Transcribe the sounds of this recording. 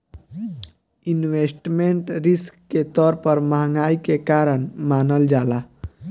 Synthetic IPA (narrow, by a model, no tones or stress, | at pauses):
inwesʈmeɳʈɾɪskːet̪ɔːɾpəɾmaːŋɡaːikekaːɾənmaːnəld͡ʒaːla